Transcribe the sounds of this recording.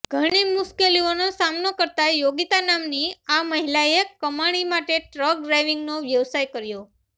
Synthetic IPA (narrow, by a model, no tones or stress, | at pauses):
ɡ̥ʱəɽ̃imʊskelionosamnokəɾt̪ajoɡit̪anamniaməɦilaekəmaɽ̃imaʈeʈɾək̚ɖɾajʋiŋɡnoʋjəʋsajkəɾjo